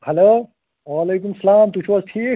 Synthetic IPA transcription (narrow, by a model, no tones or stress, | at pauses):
hɐloː | aleːk̬umsɐlaːmt̪ut͡ʃʰʋɐsʈʰiː